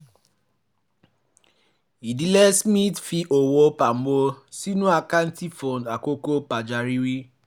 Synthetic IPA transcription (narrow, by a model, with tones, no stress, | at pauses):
i˨di˦lɛ˦smĩ˦tfi˧ʔo˨wo˧˦pa˨m̩˦bo˧si˦nũ˦a˧ka˦n̩˦ti˦fɔ̃˨na˨ko˦ko˦pa˨d͡ʒa˨ɾi˦ɾi˦